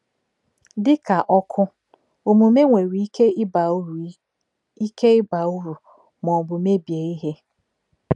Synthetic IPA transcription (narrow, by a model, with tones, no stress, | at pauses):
dɪ˦kʰa˨ʔɔ˦kʰʊ˦ | o˨mʊ˨me˦ŋʷe˨ɾu˨i˦kʰe˦ɪ˦ba˨˦ɾ | i˦ke˦ɪ˦ba˨u˦ɾu˨ | mɔ˨bʊ˨me˦bi˨e˨i˦ɦe˦